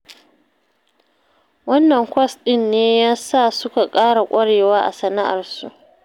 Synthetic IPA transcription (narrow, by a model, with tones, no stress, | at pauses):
wɐ˦nːɐ˨ŋkʷɔ˦sɗɪ˦nːeː˦jaː˦sa˦˨sʊ˦ka˨kʼaː˦ɽa˨kʷʼɐ˦ɽeː˨waː˦ʔa̰˨sɐ˨na˦ʔa˨rsu˨ʔ